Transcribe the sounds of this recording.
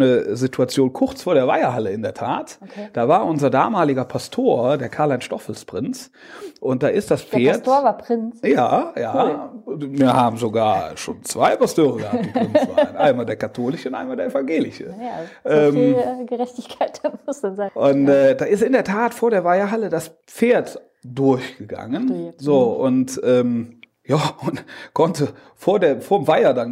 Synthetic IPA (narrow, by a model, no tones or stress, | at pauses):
nəzitʰuat͡sjoːnkʰʊʁt͡sfoːɐɾeːɐva̰ɪɐɦaləɪndeːɐtʰa̰ːtokʰed̥aːvaːɐʔʊnzɐda̰ːmaːlɪɡɐpʰastʰoːɐdeːɐkʰaɐlaɪnʃtɔfl̩spʁ̥ɪnt͡s | ʔʊnt̚d̥aːʔɪstd̥asfeːɐtːɐvapʁ̥ɪnt͡sja̰ːja̰ː | viɐhaːbm̩zoɡaːɐʃo̰ːnt͡sv̥aɪpastʰøːʁəɡəhaɪnanʔaɪnmaːldeːɐkʰatʰoːlɪʃəʊntʔa̰ɪnmaːldeɐʔɛfanɡeːlɪʃə̰ʔɛːmɡəʁɛçtɪçkʰaɪt̚ɛmʊsanzaʔʊntɛːdaːɪstɪndeːɐtʰaːtfoːɐɾeːɐvaɪɐɦalədas | p͡feːɐt | d̥ʊɐçɡ̥əɡa̰ŋənzoːʔʊntʔɛːm | jaːʊntkʰɔntə | foːɐdeːɐfoːɐmvaɪɐdan